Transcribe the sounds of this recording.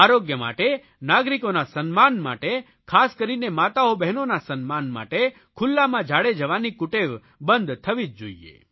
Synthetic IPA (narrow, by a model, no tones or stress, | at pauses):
aɾoɡjəma̰ʈe | naɡɾikonasənmanma̰ʈe | kʰaskəɾinemat̪aobɛɦnonasənmanma̰ʈe | kʰʊlːamãd͡ʒʱaɽed͡ʒəʋanikʊʈeʋ | bənd̪t̪ʰəʋid͡ʒ̚d͡ʒo̰iḛ